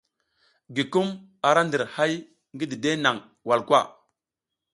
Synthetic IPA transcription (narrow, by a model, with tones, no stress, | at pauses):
ɡi˨ku˦m | a˨ɾa˦ndə˨ɾha˦j | ŋɡi˦di˨de˦na˨ŋ | wa˨lkwa̰˦˨